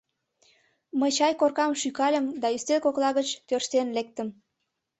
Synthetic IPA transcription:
məjt͡ɕɑjkorkɑmʃykɑlʲəmd̪ɑyst̪elkoklɑɣət͡ɕt̪ørʃt̪enlek̚t̪əm

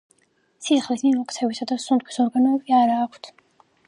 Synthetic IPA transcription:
sisχlismimɔqʼt̪ʰɛvisad̪asunt̪̚kʰi̥sɔɾɡanɔɛbiaɾaːkʷʰt̪ʰ

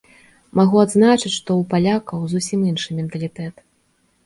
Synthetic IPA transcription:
maɣuad̪znat͡ʂɨt͡sʲʂt̪ɔupalʲakɐwzusʲiminʂɨmʲɛnt̪ɐlʲit̪ɛt̪

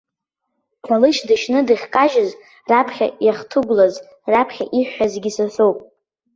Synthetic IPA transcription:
tʰʷalɨʃʰdɨʃnɨdɨχʲkʼaʒɪz | rapʰχʲa̰jaχtʰɨɡʷlaz | rapʰχʲa̰ʔiħːazɡʲisafʷowpʼ

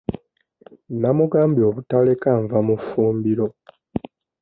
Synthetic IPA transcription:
namuɡaːmbio̞βutale̞kaɱvamufuːmbiɾo̞

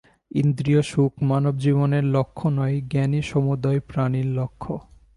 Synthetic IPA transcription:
ind̪ɾioʃukʰmanobd͡ʑiboneɾlokʰːonɔjɡɛniʃɔmud̪aepɾaniɾlokʰːo

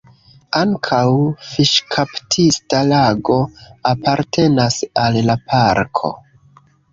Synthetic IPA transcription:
aŋkʰawfiʃkʰaptʰistalaɡo̞apaɾtʰe̞nasalːapʰaɾkʰo̞̰

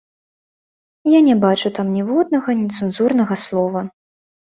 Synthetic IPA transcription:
janʲɛbat͡ʂut̪amnʲɛvɔd̪̚nɐɣɐnʲit̪sɨnzurnɐɣɐslˠɔvɐ

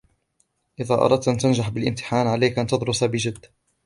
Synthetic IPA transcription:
ʔɪðaːʔɑ̰ɾˤɑd̪̚t̪ʔant̪and͡ʒaħbɪlʔɪmt̪ɪ̥ħaːnʕalajkʔant̪ɑd̪ˤɾʊsabɪd͡ʒɪd̪ː

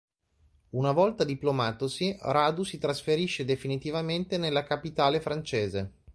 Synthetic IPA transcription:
unavɔlt̪ad̪iplomaːt̪osiraːd̪usit̪ɾasfeɾiʃːed̪efinit̪ivament̪enelːakapit̪aːlefɾant͡ʃeːze

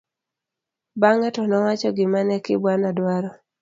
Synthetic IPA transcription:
baŋɛtɔnɔwat͡ʃɔɡɪmanɛkɪ̰bwanadwaɾɔ

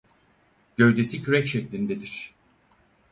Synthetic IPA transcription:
ɟ̥ø̞jd̪e̞sicʰyɾɛcʃɛclʲind̪ed̪iɾ̥

